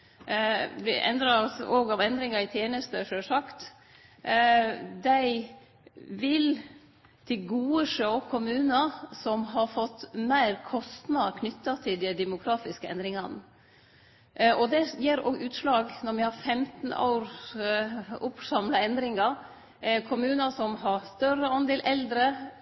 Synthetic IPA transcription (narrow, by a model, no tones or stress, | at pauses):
b̪ɛ̰ʔɛ̰nd̪ɾɑɔsoːɡɑʋɛnd̪ɾɪŋɑɾɪt̪ʰjeːnəst̪əʂøːsɑkt̪ | d̪æɪ | ʋɪl | t̪ʰɪlɡuːəʂøʊkʰʊmʉːnəsɔmɦɑɾfɔt̪ːmæɪɾkʰɔst̪nɑkʰnʏt̪ːɑt̪ʰɪld̪ɪd̪ɛmʊkʰɾɑːt̪ɪskəʔɛ̰nd̪ɾɪŋɑnə | ʔɔd̪ɛjeːɾɔ̰ːɡʔʉːt̪ʂlɑːɡnɔɾʋɪhɑɾfɛmt̪n̩ʔɑ̰ʊɾ | ʊpsɑmlɑɛnd̪ɾɪŋɑɾ | kʰʊmʉːnɑsɔmɦɑɾst̪œɾəɑnd̪eːlʔɛld̪ɾə